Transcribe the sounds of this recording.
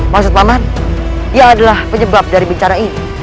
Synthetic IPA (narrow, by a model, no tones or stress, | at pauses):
maks̬ʊt̪̚aman | iaːdalahpəɲəbap̚daɾibit͡ʃaɾaini